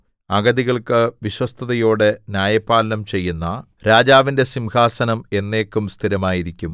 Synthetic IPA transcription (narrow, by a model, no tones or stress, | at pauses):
ɐɡɐðiɣɐɭkɨʋiɕwɐst̪ʰɐðɐjo̞ːɽe̞nʲjaːjɐpːaːlɐnɐmt͡ɕe̞jːunːɐ | ɾaːd͡ʑaːʋinde̞simhaːsɐnɐme̞nːe̞ːkːumst̪ʰiɾɐmaːjiɾikʲːum